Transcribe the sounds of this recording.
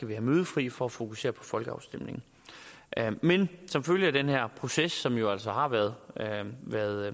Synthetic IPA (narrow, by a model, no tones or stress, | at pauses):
ɡ̥æʋihæmøːð̞ˠəfʁḭːfɒ̽æfo̝kʰuse̝̰ːɐpʰɒ̥̽fɒ̽lɡ̥əɑ̈ʊsd̥em̰ne̝ŋ̩ | ʔmensɒ̽mføljəæd̥enhæɐ̰pʰʁo̝sesːɒ̽mjo̝æl̰sɒ̽hɑ̈ʋæɐðˠʋæɐðˠ